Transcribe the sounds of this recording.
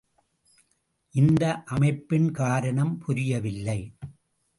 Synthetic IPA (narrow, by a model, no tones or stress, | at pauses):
ʔɪnd̪ɐʔɐmɐɪpːɪnkaːɾɐɳɐmpʰʊɾɪjɐʋɪlːɐɪ